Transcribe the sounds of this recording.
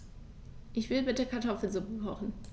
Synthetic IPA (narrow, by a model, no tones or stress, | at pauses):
ʔɪçv̥ɪlbɪtəkʰaɐtʰɔfl̩zʊpəkʰɔχn̩